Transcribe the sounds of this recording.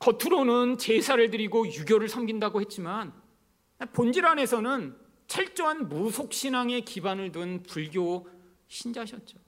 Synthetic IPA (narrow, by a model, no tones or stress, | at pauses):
kʌtʰuɾonɯnt͡ɕe̞sʰaɾɯɭdɯɾiɡojuɡʲjʌɾɯɭsʰʌmɡindaɡohe̞t̚t͡ɕ͈iman | apond͡ʑiɾane̞sʰʌnɯn | t͡ɕʰʌɭt͡ɕ͈oɦanmusʰok̚ɕ͈ʰinaŋe̞kibanɯɭdɯnpuɭɡjo | ɕʰind͡ʑɦaɕʰʌt̚t͡ɕ͈o̥